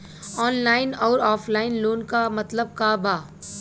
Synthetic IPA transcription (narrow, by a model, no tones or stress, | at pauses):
ɔːnlaːɪnɔːɾɔːfʰlaːɪnloːnkamɐt̪ləb̚kabaː